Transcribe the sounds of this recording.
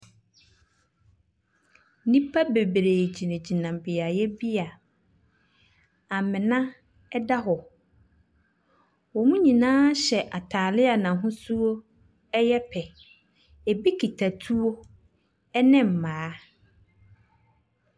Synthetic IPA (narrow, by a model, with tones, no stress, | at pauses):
nĩ˦pʰa˦be˨bɾe˨d͡ʑi˨nẽ˨d͡ʑi˨nã˨m˨bɪ˨a˨jɛ˦bi˦a˨ | a˨mɪ̃˨nã˦ | ɛ˦da˦ɦɔ˨ | wɔ˨mũ˦ɲĩ˨nãː˦ɕɛ˨ʔa˨tʰaː˨lɪ˦a˨nã˨ɦʊ̃˦su˦o˦ | ɛ˦jɛ˦pʰɛ˨ | e˨bi˦kʰi˨tʰa˨tʰu˦o˦ | ɛ˦nɪ̃˦˨m̩˨mãː˨˦